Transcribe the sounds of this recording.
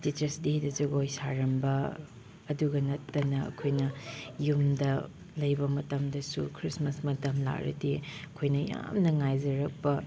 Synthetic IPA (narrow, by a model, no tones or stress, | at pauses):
tit͡ʃɐɾsdiidɐzɐɡojsaɾɐmbɐ | ɐduɡɐnɐtːɐnɐɐ̰kʰojnɐjumdɐ | lɐjbɐmɐtɐmdɐsukʰɾismɐsmɐtɐmla̰kɾɐ̰diɐkʰojnɐja̰mnɐŋajzɐɾɐk̚pɐ